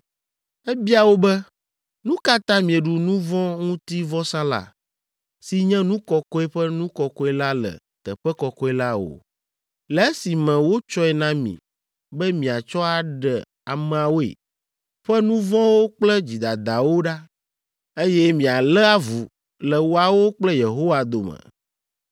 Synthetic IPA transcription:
ɛ˦bi˦a˨wo˦bɛ˦ | nũ˦ka˦t̪ã˦mĩ˨e˨ɖu˨nũ˦vɔ̃˦ŋũ˦t̪i˦vɔ˦sã˦la̰˨ | si˨ɲɛ̃˦nũ˦kɔ˦kɔ˦ɛ˦ɸɛ˦nũ˦kɔ˨kɔ˦ɛ˦la˦lɛ̰˨ | t̪ɛ˨ɸɛ˦kɔ˨kɔ˦ɛ˦la˦o̰˨ | lɛ˨e˦si˨mɛ̃˨wo˦t͡ʃɔ˦ɛ˨nã˦mḭ̃˨ | bɛ˦mĩ˨a˨t͡ʃɔ˦a˨ɖɛ˨ | a˨mɛ̃˨a˨wo˦ḛ˨ | ɸɛ˦nũ˦vɔ̃˦wo˦k͡plɛ˦d͡ʑi˨d̪a˨d̪a˨wo˦ɖa˦ | e˦jɛ˦mĩ˨a˨lɛ˦a˦vu˨ | lɛ˨wo˦a˨wo˦k͡plɛ˦je˨ɦo˦wa˨d̪o˨mə̰̃˨

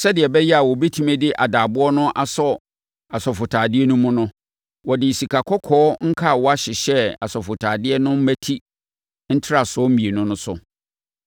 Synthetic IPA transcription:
sɛ˦dɪ˨ɛ˨bɛ˦jɛ˦a˨wɔ˨bi˦tʰi˦mɛ̃˦dɪ˦ʔa˨daː˨bʊ˦ɔ˦nʊ̃˦ʔa˨sɔ˦˨ | a˨sɔ˨fʊ˨tʰaː˨dɪ˦ɛ˦nʊ̃˦mʊ̃˦nʊ̃˦ | wɔ˨dɪ˨i˨si˨kʰa˨kʰɔ˦kʰɔː˦ŋ̩˦kʰa˦˨wɔ˦a˦ɕɪ˨ɕɛ˦a˨sɔ˨fʊ˨tʰaː˨dɪ˦ɛ˦nʊ̃˦m̩˦mæ˦tʰi˦ | n̩˦tʰɪ˦ɾa˨sɔ˦m̩˦mĩ˨e˨nʊ̃˦nʊ̃˦sʊ̰˦

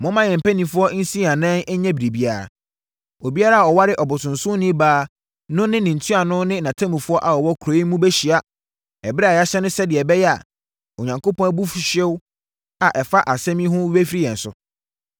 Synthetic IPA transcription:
mʊ̃˦mã˦˨ɲɛ̃˨m̩˨pæ˦nĩ˨fʊ˦ɔ˦n̩˦sĩ˦ã˨nɛ̃˦nɛ˦ɲɛ̃˦bi˨ɾi˨bi˦a˨ɾa̰˨ | o˨bi˦a˦ɾa˦˨ɔ˨wa˦ɾɪ˦ʔɔ˨bʊ˨tʰʊ̃˨nsʊ̃˦nĩ˦baː˨˦ | nʊ̃˦nɪ̃˦nɪ̃˨n̩˨tʰu˦a˨nʊ̃˦nɪ̃˦nã˨tʰã˦mũ˨fʊ˦ɔ˦ʔa˨ɔ˨wɔ˦kʰɾo˨˦i˦mũ˦bɛ˦ɕi˨a˦ | ɛ˨bɛ˦a˨ja˦ɕɛ˦nʊ̃˦sɛ˦dɪ˨ɛ˨bɛ˦jɛ˦a̰˨ | o˨ɲã˨ŋkʰo˦pʰɔ̃˦bu˦fɕɛ˦w | a˨ʔɛ˨fa˦ʔa˨sɛ̃˦mĩ˦ɦʊ̃˦e˦fɾi˦jɛ̃˨n̩˨sʊ̰˨

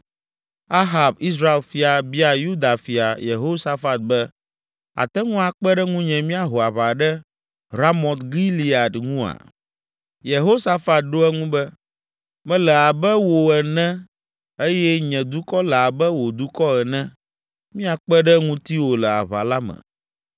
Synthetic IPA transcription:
a˦ɦa˨bi˦s̬ɾa˦e˨lfi˨a˨bi˦a˨ju˦d̪a˨fi˨a˨jḛ˨ɦo˦sa˦fa˨t̪̚bɛ˦ | a̰˨t̪ɛ˦ŋũ˦a˨k͡pɛ˦ɖɛ˦ŋũ˦ɲɛ̃˨mĩ˦a˨ɦo˨a˨βa˨ɖɛ˦ | ɾa˦mɔ̃˨t̪ɡi˦li˨a˨d̪ŋũ˦a̰˨ | je˨ɦo˦sa˦fa˨t̪̚ɖo˦ɛ˦ŋũ˦bɛ˦ | mɛ̃˦lɛ˨a˨bɛ˦wo˨ɛ˨nɛ̃˦ | e˦jɛ˦ɲɛ̃˨d̪u˦kɔ˦lɛ˨a˨bɛ˦wo˨d̪u˦kɔ˦ɛ˨nɛ̃˦ | mĩ˦a˨k͡pɛ˦ɖɛ˦ŋũ˦t̪i˦wo˨lɛ˨a̰˨βa̰˨la˦mɛ̰˨

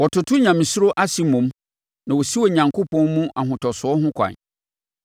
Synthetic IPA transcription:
wɔ˨tʰʊ˨tʰʊ˦ɲã˨mĩ˨sʊ˦ɾo˦ʔa˦si˨mũ˨˦m | nã˨wo˨si˦wɔ˨ɲã˨ŋkʰo˦pʰɔ̃˦nmũ˦ʔa˨ɦʊ̃˨tʰɔ˨sʊ˨˦ɔ˦ɦʊ̃˦kʷʰã̰˨ɲ

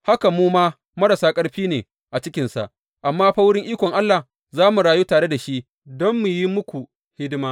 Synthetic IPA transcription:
ha˦ka˨muː˦maː˦ | mɐ˦ɽɐ˨saː˦kʼɐ˦ɽɸiː˦neː˨ | ʔa˨t͡ʃɪ˦kʲɪ˨nsa̰˨ʔ | ʔa˨mːaː˦ɸa˦wɽɪ˦ŋʔiː˦kʷɔ˨ŋʔa˦lːa˨ | zaː˦mu˨ɽaː˨juː˦taː˨ɽe˦da˨ʃi˦ʔ | dɔ˦mːu˨ji˦mʊ˦kʷu˨ | hɪ˦dmaː˦

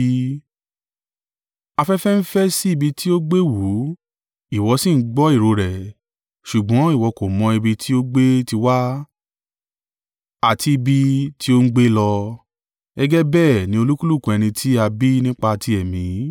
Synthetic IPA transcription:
a˧fɛ˦fɛ˦n̩˦fɛ˦si˦i˦˨bi˧tʰi˦o˦ɡ͡be˦wu˨˦ | i˦˨wɔ˨˧sĩ˦˨n̩˦ɡ͡bɔ˦i˦˨ɾo˧ɾɛ˨ | ʃu˨ɡ͡bɔ̃˨˦i˦˨wɔ˧ko˨mɔ̃˧i˧bi˧tʰi˦o˦ɡ͡be˦ti˧wa˦ | a˨tʰi˧i˧bi˧tʰi˦o˦ŋ̩˦ɡ͡be˦lɔ˧ | ɛ˦ɡɛ˦bɛː˦˨nĩ˧˦o˧lu˦ku˦lu˦˨kũ˨ɛ˧ñĩ˧tʰi˦a˧bi˦nĩ˦k͡pa˧ti˧ɛ˨mĩ˨˦

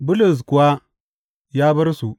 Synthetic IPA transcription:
bu˦lu˨s̬ku˨wa˦ | ja˦bɐ˦ɾsu˨

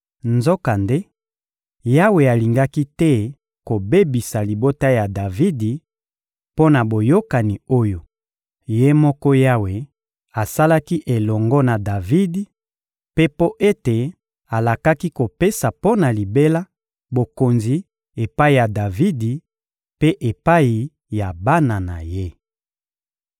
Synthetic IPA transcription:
nzɔ˦ka˨nde˦ | ja˦we˨a˨li˨ŋɡa˦ki˦tɛ˦ | ko˨be˦bi˨sa˨li˨bo˦ta˦ja˨da˨vi˦di˨ | po˦na˨bo˨jo˦ka˨ni˨o˦jo˨ | je˦mɔ˦kɔ˦ja˦we˨ | a˨sa˦la˦ki˦ʔe˨lɔ˨ŋɡɔ˦na˨da˨vi˦di˨ | pe˦po˦ʔe˦te˨ | a˨la˨ka˦ki˦ko˨pe˦sa˨po˦na˨li˨be˦la˦ | bo˨ko˨nzi˨ | e˨pa˦i˨ja˨da˨vi˦di˨ | pe˦ʔe˨pa˦i˨ | ja˨ba˦na˨na̰˨je˦

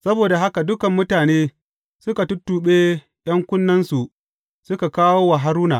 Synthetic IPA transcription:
sɐ˦boː˨da˨ɦa˦ka˨dʊ˦kɐ˨mːʊ˦taː˨neː˦ | sʊ˦ka˨tʊ˦tːuː˨ɓeː˦ | j̰ɐ˦ŋkʷʊ˦nːɐ˦nsu˨ʔ | sʊ˦ka˨kaː˦woː˦wa˨ɦa˦ɾuː˦na̰ː˨ʔ

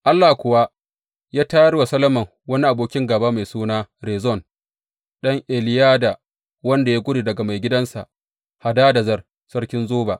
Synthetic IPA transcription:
ʔa˦lːaː˨kʷʊ˨wa˦ | jaː˦taː˦jɐ˦rwa˨sɐ˦lɐ˦mɐ˨ŋ | wɐ˦ni˦ʔa˨boː˦kʲɪ˦ŋɡɐ˨baː˦ma˨jsuː˦naː˦ɾeː˨zɔ˦˨n | ɗɐ˦ŋʔe˨lɪ˦jaː˦da˨ | wɐ˦nda˨ja˦ɡʷʊ˦ɽi˨dɐ˨ɡa˨ma˨jɡʲɪ˦dɐ˦nsa˨ | ha˨daː˦dɐ˨zɐ˦r | sɐ˦rkʲɪ˦nzoː˦ba̰ː˨ʔ

